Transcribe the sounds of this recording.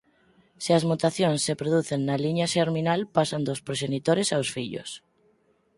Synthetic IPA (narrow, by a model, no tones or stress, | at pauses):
seazmot̪aθjõnsːepɾoðuθennaliɲaʃeɾminalpasand̪ospɾoʃ̬enit̪oɾesawsfiʎo̰s